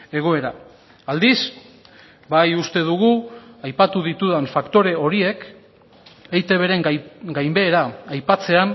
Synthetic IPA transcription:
e̞ɣ̞o̞e̞ɾa | ald̪is | bajust̪e̞ðuɣ̞uajpat̪uðit̪uðaɱfakt̪o̞ɾe̞o̞ɾie̞k | ejt̪e̞β̞e̞ɾe̞ŋɡajmbe̞ːɾajpat͡se̞an

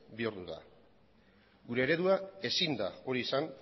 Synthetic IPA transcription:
biuɾðuða̰ | ɡuɾe̞ːɾe̞ðuae̞sind̪ao̞ɾiesan

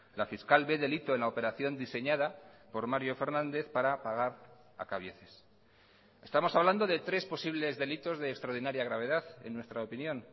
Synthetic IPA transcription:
lafiskalbe̞ðe̞lit̪o̞enlaope̞ɾaθjo̞nd̪ise̞ɲaðapo̞ɾmaɾjofe̞ɾnãnd̪e̞θpaɾapaɣ̞aɾ | a̰kaβ̞jeθes | e̞st̪amosaβland̪oðe̞t̪ɾe̞spo̞siβ̞le̞zðe̞lit̪o̞zðe̞ːkst̪ɾaoɾðinaɾjaɣ̞ɾaβ̞e̞ðaθe̞̰nːwe̞st̪ɾaopinjõ̞n

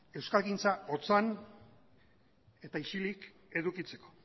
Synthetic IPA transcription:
e̞wskalɣint͡saot͡san | e̞t̪aiʃilik | e̞ðukit͡se̞ko̞̥

